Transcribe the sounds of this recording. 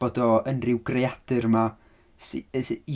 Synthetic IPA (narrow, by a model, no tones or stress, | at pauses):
odɔənrɪwɡrejad̥ɨrma | s